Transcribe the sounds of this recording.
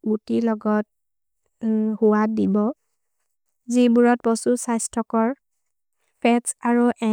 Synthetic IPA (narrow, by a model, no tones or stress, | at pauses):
ɡutilɔɡɔt̚ | huwadibɔ | zibuɹɔt̚bɔsusajstʰɔkɔɹ | pʰɛtsaɹuʔɛ